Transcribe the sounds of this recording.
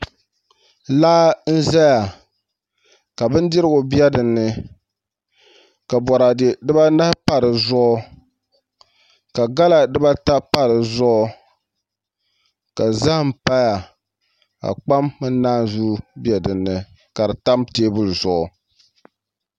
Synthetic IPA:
laː˦n̩˦za˦ja˨ | ka˨bɨ˦n˦dɪ˦ɾɨ˦ɡʊ˨bjɛ˦dɨ˨nːɨ˦ | ka˨bɔ˨ɾa˨dɪ˨dɨ˦ba˦na˦pa˨ɾɨ˨zɔ˦ɔ˦ | ka˨ɡa˦la˨dɨ˦ba˦ta˦pa˦ɾɨ˨zɔ˦˨ | ka˨za˦hm̩˨pa˦ja˨ | ka̰˨k͡pa˦mːɨ˦n˦naː˦zu˦bjɛ˨dɨ˨nːɨ˨ | ka˨ɾɨ˨ta˦mteː˦bʊ˦lzɔ˦ʔʊ˨

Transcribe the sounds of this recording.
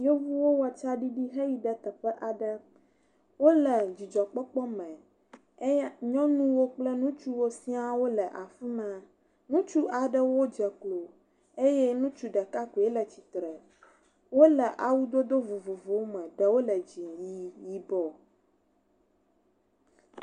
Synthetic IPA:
jo˦vu˦wo˦wa˨t͡ʃa˦ɖi˦ɖi˦ɦɛ˦ji˦ɖə˨t̪ə˨ɸɛ˦ʔa˨ɖə˦ | wo˦lə˨d͡ʑi˨d͡ʒɔ˨k͡pɔ˦k͡pɔ˦mɛ̃˨˦ | ɲɔ̃˦nũ˦wo˦k͡plɛ˦nũ˦t͡ʃu˦wo˦si˦a˦wo˦lə˨ʔa˨fi˦mɛ̃˨ | nũ˦t͡ʃu˦ʔa˨ɖə˦wo˦d͡ʒɛ˨klo˨ | e˦jɛ˦nũ˦t͡ʃu˦ɖə˨ka˦ku˨e˦lə˨t͡ɕi˨t̪ɾɛ˨ | wo˦lɛ˨ʔa˨wu˦d̪o˦d̪o˦vo˨vo˨vo˨˦wmɛ̃˨ɖə˨wo˦lə˨d͡ʑi˨ji˦ji˦bɔ˦

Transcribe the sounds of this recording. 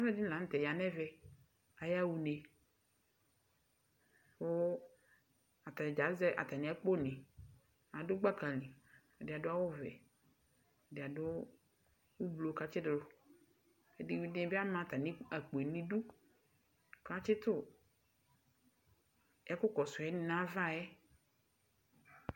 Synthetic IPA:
a˦vɛ˦di˦lã˨n̩˦t̪ɛ˨ja˨nɛ̃˦vɛ˦ | a˨ja˦wu˨ne˨ | ɸo˦ | a˨t̪a˨d͡ʒa˨˦zɛ˦ʔa̰˨t̪a˨nĩ˨a˦k͡po˦nĩ˨ | a˨dʊ˦ɡ͡ba˦ka˨lĩ˨ | dɪ˨a˨dʊ˦a˦wʊ˦vɛ̰˨ | dɪ˨a˨dʊ˦ | wu˦blo˨ka˦t͡ʃɪ˦dlʊ˨˦ | e˨di˨wi˦dẽ˦bi˦a˦mã˨t̪a˨nĩ˦a˨k͡po˨e˨nĩ˦ɖu˦ | ka˦t͡ʃɪ˦t̪ʊ˦ | ja˦kʊ˦kɔ˨sʊ˨ɛ˦nɪ˦nã˦va˦˨jɛ˦

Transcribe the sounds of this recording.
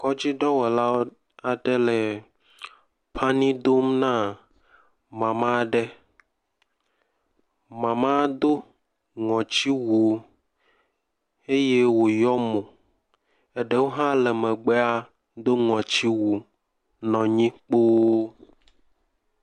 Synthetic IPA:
kɔ˦d͡ʑi˦ɖɔ˦wɔ˨la˦ | a˨ɖɛ˦lɛ˨ | pʰa˦nĩ˦d̪o˦mnã˦ | mã˨mã˦ɖɛ˦ | mã˨mã˦d̪o˦ | ŋɔ̃˨t͡ɕi˦wu˨ | e˦je˦wo˨jɔ˦mõ˨ | e˦ɖe˦wo˦ɦã˦lɛ˨mɛ̃˨ɡ͡bɛ˦a˦ | d̪o˦ŋɔ̃˨t͡ɕi˦wu˨ | nɔ̃˨ɲĩ˦k͡po˦

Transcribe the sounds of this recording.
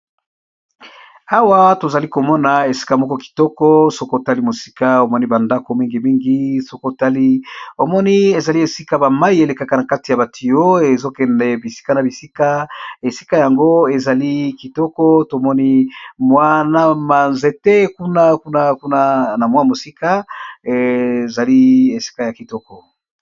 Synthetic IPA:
a˦wa˦to˨za˨li˦ko˨mɔ˦na˨e˨si̥˦ka˦mɔ˦kɔ˦ki̥˨tɔ˦kɔ˦so˦ko˦˨ta˦li˦mo˨si̥˦ka˦o˨mɔ˦ni˦ba˨nda˦ko˨mi˦ŋɡi˨mi˦ŋɡi˦so˦ko˦˨ta˦li˦o˨mɔ˦ni˦e˨za˨li˦e˨si˦ka˦ba˨ma˦i˦e˨le˨ka˦ka˨na˨ka˦ti˨ja˨ba˨tʰi˨jo˦e˨zo˦kɛ˨nɛ˨bi˨si̥˦ka˦na˨bi˨si˦ka˦e˨si̥˦ka˦ja˨ŋɡo˦e˨za˨li˦ki˨tɔ˦kɔ˦to˨mɔ˦ni˦mwa˦na˦ma˨nze˨te˦ku˦na˦ku˦na˦ku˦na˦na˨mwa˦mo˨si˦ka˦e˨za˨li˦e˨si̥˦ka˦ja˨ki˨tɔ˦kɔ˨

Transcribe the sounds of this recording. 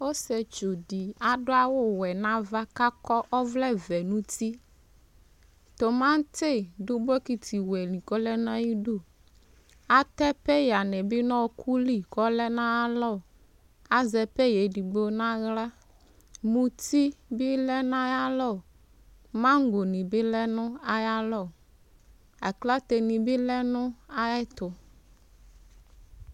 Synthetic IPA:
o˦sɛ˨t͡ʃo˨di˨a˨ɖo˦a˦wʊ˦wɛ˨nã˦va˦ka˦kɔ˦ʔɔ˦vlɛ˦vɛ˨nũ˦t̪i˦ | t̪o˨mã˦t̪e˦˨ɖo˦bɔ˦ki˨t̪ʰi˨wɛ˨lĩ˨kɔ˦lɛ˦nã˦ji˦ɖo˦ | a˦t̪ɛ˦pɛ˦ja˨nɛ̃˨bi˦nɔ̃˦kʰu˦li˦kɔ˦lɛ˦nã˦a˦lɔ˦˨ | a˦zɛ˨pɛ˦je˨ɖi˨ɡ͡bo˨nã˦ɣla˦ | mũ˨t̪i˦bi˦lɛ˦nã˦ja˦lɔ˦˨ | mã˦ŋ˦ɡo˨nĩ˨bɪ˦lɛ˦nʊ̃˦a˦ja˦lɔ˦˨ | a˨kla˦t̪e˨nĩ˨bi˦lɛ˦nʊ̃˦a˦ɛ˦t̪ʊ˨

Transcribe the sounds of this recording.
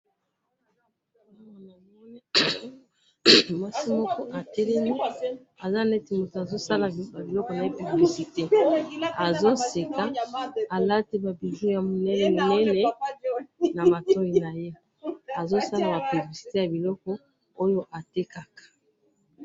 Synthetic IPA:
ma˨na˨mɔ˦ne˦ | mwa˦si˦mɔ˦kɔ˦ʔa˨tɛ˦lɛ˦mi˦ | a˨za˦˨nɛ˦ti˨mo˨to˨a˨zo˦sa˦la˨ba˨bi˨lɔ˦kɔ˨na˨i˦pu˨bi˨bli˨si˨te˦a˨zo˦se˨ka˨˦a˨la˦te˦ba˨bi˨ʒu˦ja˨mo˨nɛ˦nɛ˨mo˨nɛ˦nɛ˦ | na˨ma˨tɔ˦i˨na˨je˦ | a˨zo˦sa˦la˨ba˨pu˨bli˨si̥˨te˦ja˨bi˨lɔ˦kɔ˦ | o˦jo˦ʔa˨te˦ka˨kḁ˨

